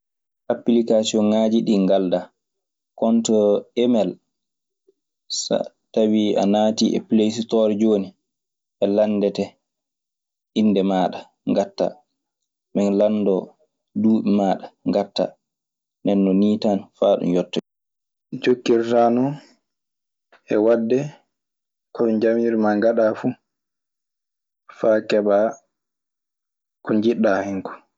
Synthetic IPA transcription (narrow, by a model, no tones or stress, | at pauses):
ʔaplikasiɔnŋaːd͡ʒiɗiŋɡalda | kɔntɔɛmɛl | sa̰ | tawia̰naːtiʔɛ̰plesitɔɾd͡ʒoːni | ɓɛlandɛtɛ | ʔinːdɛmaːɗa | ŋɡatːa̰ | mɛnlanːdɔ | duːɓɛmaːɗaŋɡatːa̰ | nɛnːɔniːtanfaːɗṵmjɔtːɔ | it͡ʃokːiɾtaːnɔ | ʔɛwadːɛ | kɔmind͡ʒamiɾmaŋɡaɗafu | faːkɛba | kɔɲd͡ʒiɗːahɛŋkɔ̥